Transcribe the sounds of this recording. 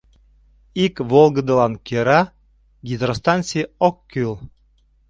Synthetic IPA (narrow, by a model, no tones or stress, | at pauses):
ikβolˠɡə̆d̪əlɑnkeɾɑ | ɡʲid̪ɾost̪ɑnʲsʲiɔkːyl